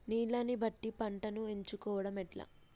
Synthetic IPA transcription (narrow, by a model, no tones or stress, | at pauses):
niːlɐnibɐʈːipɐɳʈɐnueɲt͡ʃukɔːʋɐɽɐmɛʈla̰ː